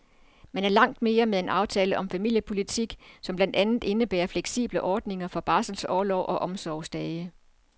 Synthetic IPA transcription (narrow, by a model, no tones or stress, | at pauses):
mænæɐlɑ̈ŋ̰d̥me̝ːɐmeðˠe̝nɑ̈ʊt͡sʰɛːləʔɒ̽mfæmil̰jəpʰo̝lit͡sʰiɡ̥sɒ̽mb̥lænd̥ænð̩ˠe̝nəb̥æːɐfleɡ̥sḭːb̥ləʔɒːd̥ne̝ŋɐfɒ̽b̥ɑ̈ːsl̩sɒːlɒʊʔɒ̽ʔɒ̽msɒʊsd̥ɛːɪə